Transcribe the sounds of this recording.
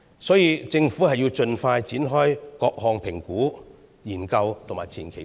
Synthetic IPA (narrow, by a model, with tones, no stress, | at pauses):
sɔː˨˥jiː˧t͡sɪ˧ŋfuː˨˥hɐ˨jːiː˧wt͡ʃɵ˧nfaː˧jt͡siː˨˥nɦɔː˥jkɔː˧k̚hɔː˨˧ŋpʰɪ˨˩ŋkuː˨˥ | jiː˨˩nkɐ˧wt̪ʰʊ˨˩ŋmaː˨˩jt͡sʰiː˨˩nkʰe˨˩